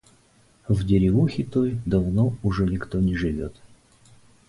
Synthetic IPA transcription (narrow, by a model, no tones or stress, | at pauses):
vdʲɪɾʲɪvuxʲɪt̪ojd̪ɐvnoʊʐɛnʲɪkt̪onʲɪʐɨvʲot̪